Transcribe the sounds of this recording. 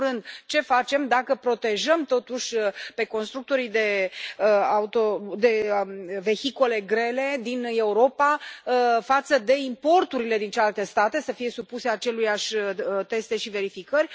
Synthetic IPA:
ɾɨnd̪t͡ʃe̞fat͡ʃe̞md̪akəpɾo̞t̪e̞ʒəmt̪o̞t̪uʃʲpe̞ko̞nst̪ɾuk̚t̪o̞ɾid̪e̞ | aut̪od̪e̞ve̞çiko̞le̞ɡɾe̞le̞d̪ine̞uɾo̞pa | fat̪səd̪e̞impo̞rt̪uɾile̞d̪int͡ʃelalt̪e̞st̪at̪e̞səfije̞supuse̞at͡ʃe̞lujaʃʲt̪e̞st̪e̞ʃive̞ɾifikəɾʲ

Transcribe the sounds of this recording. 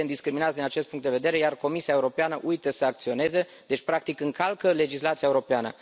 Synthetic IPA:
end̪iskɾiminat̪d̪inat͡ʃet̪puŋt̪d̪eve̞d̪eɾejarko̞misiae̞uɾo̞peanəʔujt̪əsəak̚t̪sio̞ne̞ze | d̪e̞t͡ʃʲpɾak̚t̪ikɨŋkalkəle̞d͡ʒislat̪siaeuɾo̞peanə̰

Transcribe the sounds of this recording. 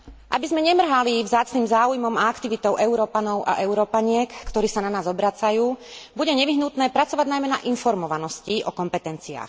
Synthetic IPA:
ʔabizmɛɲɛmr̩ɦalivzaːt͡sniːmzaːujmɔmaakt̪iʋit̪ɔʊʔɛʊɾɔːpanɔʊʔa̰ʔɛʊɾɔːpaɲɪɛkːt̪ɔɾiːsananaːzɔbɾat͡sajuːbuɟɛɲɛʋiɦnut̪nɛːpɾat͡sɔʋaɟnajmɛna̰ʔinfɔɾmɔʋanɔsciʔɔkɔmpɛt̪ɛnt͡sia̰ːx

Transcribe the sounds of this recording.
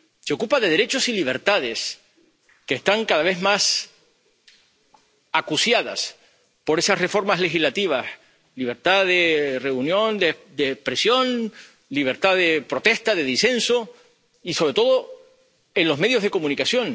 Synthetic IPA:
seokupaðe̞ðe̞ɾe̞t͡ʃo̞siliβ̞e̞ɾt̪að̞e̞s | keːht̪aŋkaðaβ̞e̞zmas | akusjaða̰s | po̞ɾe̞sasre̞fo̞ɾmazle̞xizlat̪iβ̞as | liβ̞e̞ɾt̪aðere̞unjõ̞nd̪ed̪ehspɾe̞sjo̞n | liβ̞e̞ɾt̪aðepɾo̞t̪e̞st̪aðe̞ðise̞nso̞ | iso̞βɾe̞t̪o̞ðo̞ | e̞nlo̞zme̞ðjo̞ɦðe̞ko̞mũnikasjo̞ŋ

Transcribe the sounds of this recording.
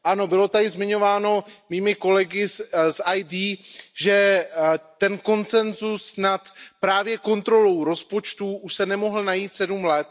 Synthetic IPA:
ʔano̞bɪlo̞t̪adɪzmɪɲo̞vaːno̞miːmɪko̞lɛɡɪsʔajdiːʒɛ | t̪ɛnko̞nt͡sɛnzusnat̪pɾaːvjɛko̞nt̪ɾo̞lo̞wɾo̞spo̞t͡ʃt̪uʔuʃsɛnɛmo̞ɦl̩najiːt̪sɛdumlɛt̪̚

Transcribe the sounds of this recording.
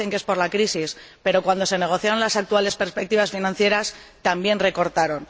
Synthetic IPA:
e̞ŋkee̞spo̞ɾlakɾisispe̞ɾo̞kwand̪o̞sene̞ɣ̞o̞θjaɾo̞nlasak̚t̪uale̞spe̞ɾspe̞k̚t̪iβ̞asfinãnθje̞ɾast̪ambje̞nre̞ko̞ɾt̪aɾo̞n

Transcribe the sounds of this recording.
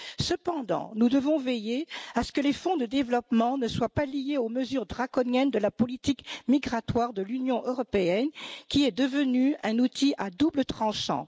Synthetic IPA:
səpɑ̃d̪ɑ̰̃nud̪əvɔ̃vejeasə̥kəlefɔ̃d̪əd̪evlɔpmɑ̃nəswapalijeoməzyʁd̪ʁakɔnjɛnd̪əlapɔlit̪ikmiɡʁat̪waʁd̪əlynjɔ̃ʔøʁɔpeɛnkʲiɛd̪əvənyɛ̃nut̪ʰiʔad̪ublət̪χɑ̃ʃɑ̰̃

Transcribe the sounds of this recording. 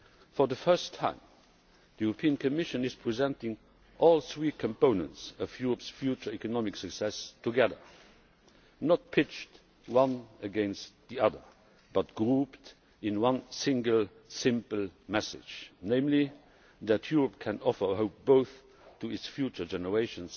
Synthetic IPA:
fɔ˞ðəfɜ˞stʰːã̰ɪ̃m | ðəjuɹəpʰiːə̃nkʰɔmɪʃə̃nɪz̥pʰɹ̥izɛ̃ntɪ̃ŋ | ʔɔlˠθɹiːkʰə̃mpõʊ̃nə̃ntsəfjuɹɔpsfjut͡ʃə˞ɛkɔnɔmɪksɨksɛstʰuɡɛðə̰˞ | nət̚pʰɪt͡ʃt | wʌ̃nəɡɛ̃nstðiʌðə̰˞ | b̥ʌt̚ɡ̥ɹupt | ɪ̃nwʌ̃nsɪ̃ŋɡəlˠ | sɪ̃mpəl̩ˠmɛsɪ̰̥d͡ʒnẽɪ̃mli | ðætʰjuɹɔp̚kʰæ̃nɔfə˞ɦoʊp̚b̥oʊθ | tʰuɪtsfjut͡ʃə˞d͡ʒɛnəɹeɪʃə̃ns

